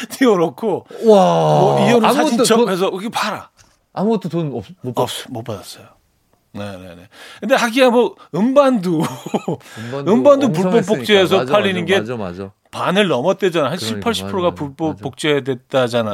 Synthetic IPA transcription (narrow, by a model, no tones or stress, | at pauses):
tiʌɾokʰo | mʌpiot͡ɕʰʌes̬ʰʌkɯɡepaɾa̰ | amuɡʌt͈ʰotoʌmʌp͈adas͈ʌjo | ne̞ne̞ne̞kɯnde̞haɡiamʌɯmbandu | ɯmbandup̬uɭp͈ʌpp̬͈ːok̚t͡ɕ͈eːs̬ʰʌpʰaʎːinɯnɡe̞ | panɯɭnʌmʌt͈̚wed͡ʑanaɦanɕʰipʰaɭɕ͈ʰi̥ppʰɯɾoɡapuɭp͈ʌp͈ːok̚t͡ɕ͈ejadwet̚t͈ad͡ʑana